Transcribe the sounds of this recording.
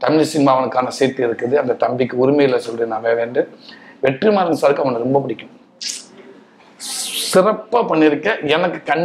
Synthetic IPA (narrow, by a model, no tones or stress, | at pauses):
t̪ɐmɪlɪsɪŋmaːɐʋɐnɯkːaːnɐseːt̪ːɯɪɾɯkːɯðɯɐnd̪ɐt̪ɐmbɪkːɯʊɾʊmɐjɪlɐsɔlːɯnaːʋeːʋeːɳɖɯʋɛʈrimaːɾɐnsaːɾɯkːɯɐʋɐnɯɾɔmbɐpɪɽɪkːɯn | sɪrɐpːaːpɐɳːɪɾɯkːɐɛnɐkːɯ̥kɐɳ